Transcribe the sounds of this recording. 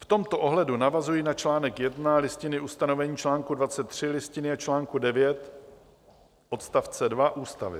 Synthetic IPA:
ft̪o̞mt̪o̞ʔo̞ɦlɛdunavazujinat͡ʃlaːnɛkjɛdnalɪscɪnɪʔust̪ano̞vɛɲiːt͡ʃlaːŋkudvat͡sɛt̪ːr̝̥ɪlɪscɪnɪat͡ʃlaːŋkudɛvjɛt̪ | ʔo̞t̪st̪aft͡sɛdvaʔuːst̪avɪ̰

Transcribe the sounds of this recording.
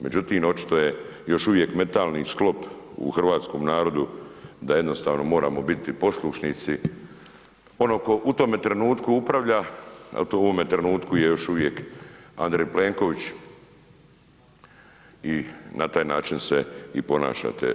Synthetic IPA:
me̞d͡ʑut̪iːmo̞t͡ʃi̥t̪oje̞jo̞ʃuʋje̞kme̞t̪aːlnisklˠo̞pṵxr̩ʋaːt̪sko̞ːmnaːɾo̞d̪ud̪aje̞d̪no̞st̪aːʋno̞mo̞ːɾaːmo̞bit̪ipo̞slˠuʃnit̪si | o̞no̞ːko̞ʔut̪o̞ːmet̪ɾe̞nuːt̪kuupɾaʋʎaḛlt̪ooʋomet̪ɾenuːt̪kujejo̞ʃuʋjeka̰nd̪ɾejple̞ːŋko̞ʋit͡ɕ | inʔat̪aːjnaːt͡ʃinseipo̞na̰ːʃa̰t̪ḛ

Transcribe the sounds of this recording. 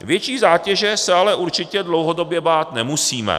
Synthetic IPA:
vjɛt͡ʃiːzaːcɛʒɛsɛalɛʔuɾt͡ʃɪcɛdlo̞wɦo̞do̞bjɛbaːt̪nɛmusiːmɛ̰

